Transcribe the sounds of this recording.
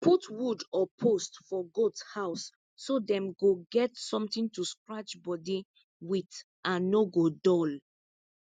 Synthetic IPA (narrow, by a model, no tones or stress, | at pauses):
pʰutwudɔpʰostfɔɡodshaʊsː | odɛ̃mɡoɡɛtsɔ̃mtĩntuskɹat͡ʃbɔdi | wit | ʔãnnoɡodɔl